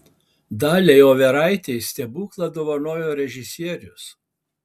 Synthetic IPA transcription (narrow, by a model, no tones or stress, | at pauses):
d̪ɑːlʲɛjoːʋʲɛɾɑɪt̪ʲɛɪsʲt̪ʲɛbuːklˠɐd̪oːʋɐnoːjoːɾʲɛʒʲɪsʲiɛɾʲʊs